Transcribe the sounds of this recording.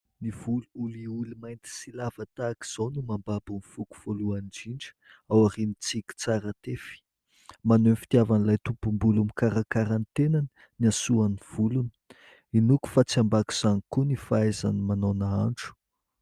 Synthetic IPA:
niv̥uluuliulumajnt̪i̥silavat̪aki̥z̥onumambabunifuku̥v̥oluaɳɖ͡ʐiɳɖ͡ʐə̥ | awaɾinit͡sikʲi̥t͡saɾat̪efi̥ | manenfi̥t̪iavanilajt̪upumbulumikaɾakaɾant̪enanə | niasuaniv̥ulunə̥ | inuku̥fat͡siambaki̥z̥anikunifaaeza̰nimanonaaɳʈ͡ʂu̥

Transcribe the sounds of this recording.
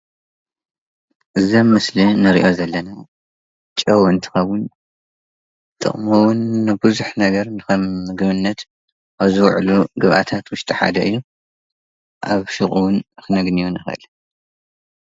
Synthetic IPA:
ʔɨzɐmːɨslinɐɾḭʔo̞zɐlːɐna | t͡ʃʼɐwɨnt̪ʰi̥xɐwʊn | t̪ʼɨ̰χʼmɐwʊnːɨbɨzuħnɐɡɐɾnɨkɐmɡɨβɨnːɐt̪ | aβzɨwʕluɡɨβʔa̰t̪ʰat̪wʊʃt̪ʼiħa̰d̪ɐɨjːu | ʔaβʃɨχʼuwʊnxɨnɐɡnijunɨxɐ̰ʔɨ̰l

